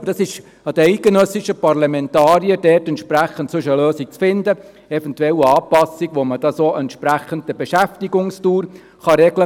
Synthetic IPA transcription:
bəd̥ɑsɪʃ | ɑd̥̪əɛɪt̚ɡ̥enœsɪʃəpɑrlɑmɛntɑːɾiəd̥ɛrtɛntʃpɾæχən̩tsɵʃəløːsik̚t͡sfɪnd̪ə | ɛfɛntɛlːəɑːpɑsiɡʋoməd̥ɑsoːʔɛnt̪ʃpɾæχəntəbeʃæftiɡʊŋstuːɾ | χɑɾɛɡlə

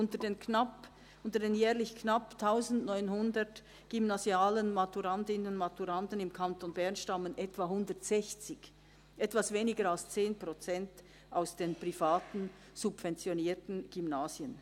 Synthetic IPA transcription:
ʊntədenknap | ʔʊntədeːnjɛːʁlɪçknaptʰːaʊzn̩tnɔʏnhʊndət | ɡ̥ymnazjaːlənmatuʁandɪnənʊnmatuʁandənɪmkʰantonbɛʁnʃtɑmənʔɛtv̥ahʊndəʁtsɛçt͡sɪç | ʔɛtvasv̥eːnɪɡəɾalst͡seːnpʁ̥ot͡sɛnt | ʔaʊsd̥eːnpʁ̥ifaːtn̩ | z̥ubv̥ɛnt͡sjoniːtn̩ɡ̥ymnaːzjən

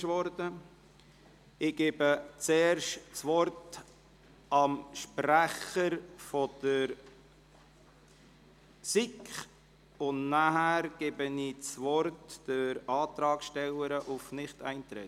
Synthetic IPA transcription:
ʃʋɔɾdə | ɪɡ̥eːbət͡seːɾʃtt͡sʋɔɾt | ɑmʃpɾæχəɾfɔd̥əɾ | sikχ | ʊnnaɦæːɾɡ̥ebəniːt͡svɔɾtd̥əɾɑːt̪ɾɑːkʃtɛləɾəʔufnɪχtæ̰ɪnt̪ɾɛ̰t

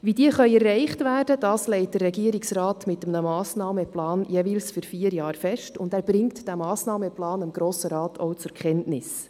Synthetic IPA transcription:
ʋidiəχœʏɛrːɛɪχtvæːrd̥əd̥ɑːslɛɪt̚d̥ərːɛɡiəɾɪksrɑːtmɪtːəmnəmɑːsnɑːmɛplɑːnjeʋiːlsfyɾfiːəɾjɑːɾfɛʃtʊndæːɾb̥ɾɪŋtd̥æmɑːsnɑːmɛplɑːnɑmɡ̥ɾoːsəɾɑːtʰɔʊt͡sʊɾkʰχɛntnɪs

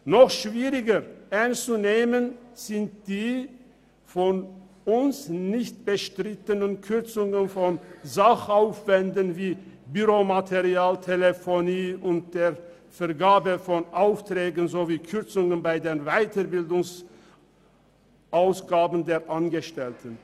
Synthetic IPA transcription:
nɔχʃv̥iːʁɪɡəʔɛɐnst͡suneːmənz̥ɪnt̚d̥iː | fɔnʔʊnsnɪçt̚b̥əʃtʁ̥ɪtənənkʰʏʁt͡sʊŋənfɔnzaχʔaʊfv̥ɛndənviːbyʁomatʰeʁiaːltʰelefoniːʊnt̚d̥eːʁ | fɛɐɡaːbəfɔnʔaʊftʁ̥ɛːɡənzoːviːkʰʏʁt͡sʊŋənbaɪdeːnvaɪtəbɪldʊŋs | ʔaʊsɡ̥aːbən̩deːɐʔanɡəʃtɛltʰən

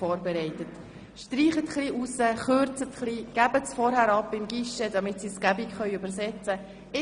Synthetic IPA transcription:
ɔːɾbɛɾɛɪtət | ʃtriːχət̪χliːʔusəχøɾt͡sət̪χliːɡ̥æbətsfɔɾhæɾɑpːɪmɡiʃədɑmɪtsisɡ̥æbikχœʏʉbəɾsɛt͡sə | ɪ

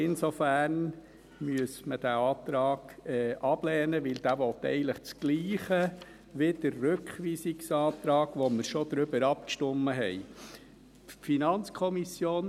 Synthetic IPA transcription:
ɪnsɔfæːɾn | myəsməd̥æɑːt̪ɾɑːɡ̥ɛɑb̥lɛːnəʋɪld̥̪æːʋɔt̪ːɛ̰ɪɡəntləχt͡sɡ̥liːχə | ʋɪd̥əɾːʉkχʋiːsiksɑːt̪ɾɑːɡ̥ʋɔməɾʃɔd̪̥ɾʏbəɾɑpkʃtɔmːəɦɛɪ | finɑnt͡skʰɔmisjoːn

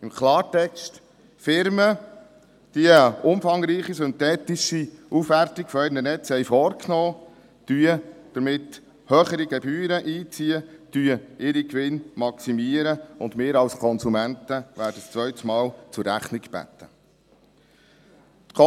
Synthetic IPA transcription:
ɪmkʰlɑːɾtɛkʃt | fɪɾmə | d̥iʊmfɑŋɾiːχisʏnt̪ɛːt̪ɪʃiufhærtikfɔɛɪɾnənɛt͡shɛjfɔːɾknɔː | d̥yəd̥əɾmɪt | høːχəɾiɡɛbyːɾəʔiːt͡siətyəʔɪɾikʋɪnmɑksimiəɾəʊndmɪːɾɑlskʰɔnsumæntəʋæːɾd̥əst͡sʋœʏt̪smɑːlt͡sʊɾːæχniɡb̥æ̰t̪ʰə | t̪kʰɔ

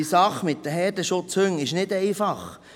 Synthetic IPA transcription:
isɑχmɪt̚ːəɦɛɾdəʃʊt͡shøŋɪʃnɪdɛɪfɑχ

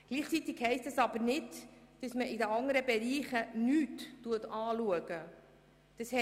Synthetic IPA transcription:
ɡ̥liːχt͡sit̪ɪkhɛɪstəsɑb̥əɾnɪtd̥ɑsməʔidəɑŋəɾəbɛɾiːχənyːtːuətɑːluəɡə | d̥ɑshɛ

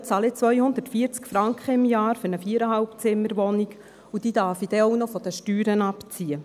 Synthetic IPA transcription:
t͡sɑlɪt͡sʋœjhʊnd̪ətfiːəɾt͡skfɾɑŋkχəɪmjɑːɾfʏɾnəfiːəɾəɦalpt͡sɪmːəɾʋɔnik | ud̥iːd̥̪ɑɾfid̥̪ɛɔʊnɔfɔd̥̪əʃtyːɾənɑpt͡siə

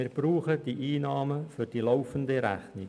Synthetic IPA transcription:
ɪɾb̥ruːχəd̥iʔiːnɑːməfyɾd̥iːlɔʊfəndəɾæ̰χnɪ

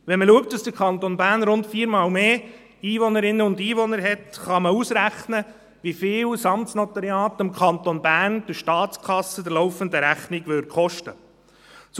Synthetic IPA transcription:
ʋɛnməluək̚t̚d̥ɑsd̥əɾkʰχɑnt̪onbæːɾnɾʊntfiːɾmɑːlmeː | iːʋɔnəɾɪnːəʊndiːʋɔnəɾɦɛtχɑməusɾæχnə | ʋifɪːwsɑmsnɔt̪ɑɾjɑːtɪmkʰɑnt̪onbæːnd̥ɪɾʃtɑːt͡skʰɑsəd̥əɾlɔʊfəndəɾæχnɪɡʋøɾχɔʃtə | s

